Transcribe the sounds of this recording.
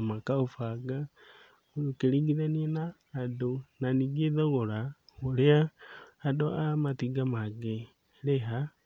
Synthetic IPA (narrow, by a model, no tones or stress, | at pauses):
makaufaɡa | uukeliɡiðanienaː | donaniɡeðoɣolaɣoleaːdoamatiɡamaɡe | leɦa